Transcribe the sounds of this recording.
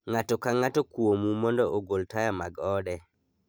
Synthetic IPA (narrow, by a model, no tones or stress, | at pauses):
ŋatɔkaŋatɔkwomumɔndɔʔoɡoltajamaɡɔdɛ